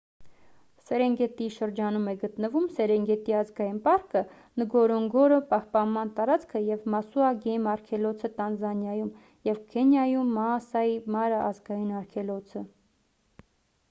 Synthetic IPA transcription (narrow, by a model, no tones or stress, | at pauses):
sɛɾɛŋɡɛt̪iʃəɾd͡ʒɑnumɛɡət̪nəvumsɛɾɛŋɡɛt̪iɑzɡɑjinpɑɾkə | nəɡɔɾɔŋɡɔɾəpɑhpɑnmɑnt̪ɑɾɑt͡skʰəjɛvmɑsuɑɡɛjimɑɾkʰɛlɔt͡sʰət̪ɑnzɑnjɑjum | jɛvkʰɛnjɑjumːɑːsɑjimɑɾəʔɑzɡɑjinɑɾkʰɛlɔt͡sʰə